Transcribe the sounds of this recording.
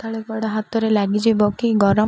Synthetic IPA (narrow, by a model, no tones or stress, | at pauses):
t̪ʰaɭekbaɽaɦat̪ɔɾelaɡid͡ʒibɔkiɡɔɾɔ